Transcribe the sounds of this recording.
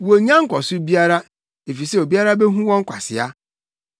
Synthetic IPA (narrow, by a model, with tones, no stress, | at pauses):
wo˨ɲã˦ŋ̩˦kʷɔ˨sʊ˦bi˦a˦ɾa˦ | e˨fi˨sɛ˦o˨bi˦a˦ɾa˦bɛ˦ɦũ˦wɔ̃˦ŋ̩˦kʷʰa˨sɪ̰˨a̰˦